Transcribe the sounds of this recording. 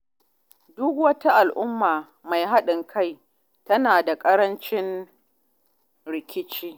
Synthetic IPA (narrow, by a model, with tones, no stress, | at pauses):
dʊ˦kwɐ˦ta˦ʔa˨lʔʊ˦mːaː˨ | ma˨jɦa˦ɗɪ˨ŋkʰa˦j | tɐ˦naː˨da˨kʼɐ˦ɾɐ˦nt͡ʃɪ˦n | ɽɪ˨kʲɪ˦t͡ʃiː˦